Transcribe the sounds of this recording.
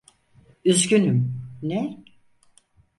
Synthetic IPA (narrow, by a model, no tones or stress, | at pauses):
yzɟynymnɛ